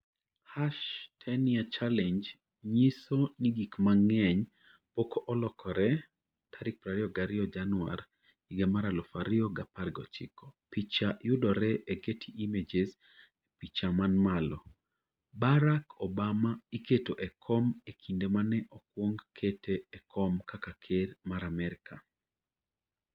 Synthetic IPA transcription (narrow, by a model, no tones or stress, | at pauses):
haʃtʰɛniat͡ʃalɛɲd͡ʒ | ɲisoniɡikmaŋɛɲ | pokoʔɔlɔkʰɔɾɛ | tʰaɾɪk̚pɾaɾɪɔɡaɾɪɔd͡ʒanʊa̰r | iɡemaɾalɔfaɾɪɔɡaparɡɔ̰t͡ʃɪ̰kɔ̥pit͡ʃajʊdɔɾɛʔeɡetʰiʔimed͡ʒez | epit͡ʃamanmalɔ | baɾakɔbamaiketoʔɛkʰɔmekʰindemanɛʔɔkwoŋɡkʰetʰeːkʰɔmkakakʰeɾmaɾamɛɾka